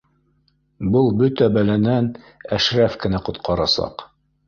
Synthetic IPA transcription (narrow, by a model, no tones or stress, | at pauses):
bɤlˠbɵt̪æbælænæn | æʃɾæfkɘ̆næqŏt̪qʰɑɾɑsɑ̰q